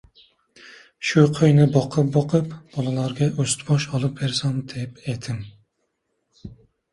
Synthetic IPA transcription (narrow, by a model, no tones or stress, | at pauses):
ʃuqʰøjnɪbɑqʰəp̚bɑqʰɨpb̥ɑlˠɨlˠɑɾɡʲɛʔøst̪ʰbɑʃɑlˠɨp̚beɾsɑmd̪ɛpɛt̪ʰɪm